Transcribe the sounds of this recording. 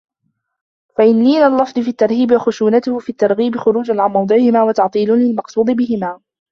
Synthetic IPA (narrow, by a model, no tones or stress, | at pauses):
faʔɪnːiːlalːɑfd̪ˤɨfiːat̪ːɑɾˤhiːbɪwaxʊʃuːnat̪ʊhʊfiːat̪ːɑɾˤɣiːbɪxʊɾuːd͡ʒanʕanmɑwd̪ˤɨʕɪhɪmaːwɑt̪ɑʕt̪ˤiːlʊlɪlmɑqsˤuːd̪ˤɨbɪɦɪmaː